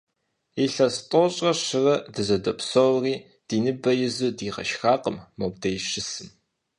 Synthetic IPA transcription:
iɬɐstʼɔɕʼɐɕɨrɐdɨzɐdɐpsowriː | d̥iːnɨbɐjɪzuːdiːʁɐ̰ʃxaːqəmːobdɐjɕɪsɨn

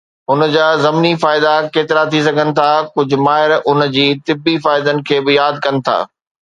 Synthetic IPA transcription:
ɦʊn̆d͡ʑaːzɐmnifaːɪd̪akeːt̪ɪɾat̪ʰis̬ɐɡʱənɪ̆t̪ʰakʊd͡ʑʱʊ̆maːɦɪɾʊnd͡ʑiːt̪ɪbːifaːɪd̪ənɪ̆kʰeːbɪjaːd̪̚kɐnɪ̆t̪ʰa̰ː

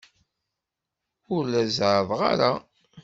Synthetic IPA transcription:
ʊɾlæzʕəðˤʁa̰ɾa

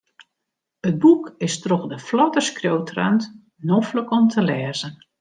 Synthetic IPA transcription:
ət̚bukɪstroxdəflɔtəskrjowtra̰nt | nofləkɔmtʰəlɛːzən

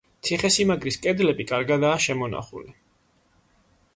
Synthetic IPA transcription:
t̪sʰiχɛsimaɡɾiskʼɛd̪lɛbikʼaɾɡad̪aːʃɛmɔna̰χṵli

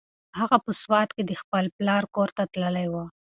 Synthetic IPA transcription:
haɣapəswɑt̪ked̪əxpəlplɑɾkoɾt̪at̪ləlajwa

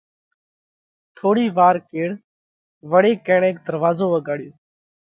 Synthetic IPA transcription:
t̪ʰoːɽiːʋaːɾkeːɽ | ʋəɽeːkẽːɳẽːk̚d̪əɾʋaːzoːʋəɡaːɽɪjoː

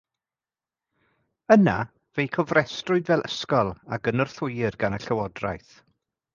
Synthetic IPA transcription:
əna | vejkʰɔvrɛstrʊɨdvɛlˠʔə̰skɔlˠa̰ɡənɔrθʊjɪrɡanəɬəwɔdra̰jθ

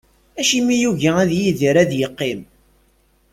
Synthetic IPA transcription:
æʃimijuʝææðjiðiɾæðjəqːim

